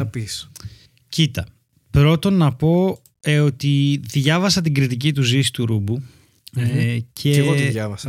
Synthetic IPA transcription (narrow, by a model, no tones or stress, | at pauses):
ɐpis | cit̪ɐ | pɾo̞t̪o̞nɐpo̞ | o̞t̪iðʝɐvɐsɐt̪iɡɾit̪ic̬it̪uzisi̥t̪uɾubu | cʰe̞eot̪jɐvɐsɐ